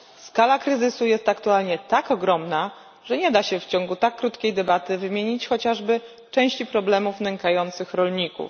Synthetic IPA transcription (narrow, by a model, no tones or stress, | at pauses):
skalakɾɘzɘsujɛst̪akt̪ualɲɛt̪akɔɡɾɔmna | ʐ̥ɛɲɛd̪aɕɛft͡ɕɔŋɡut̪akːɾut̪kʲejd̪ɛbat̪ɘvɘmʲjeɲit͡ɕxɔt͡ɕaʐbɘ | t͡ʂɛ̃w̃ɕt͡ɕipɾɔblɛmufnɛŋkajɔnt̪sɘxɾɔlɲikṵf